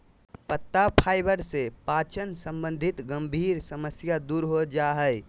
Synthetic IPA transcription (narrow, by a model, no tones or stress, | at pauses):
pət̪ːapʰaːɪbəɾsepaːt͡ʃənsə̃mbə̃nd̪ʱɪt̪ɡə̃mbʱiːɾsəməsjad̪uːɾɦod͡ʒaːɦɛ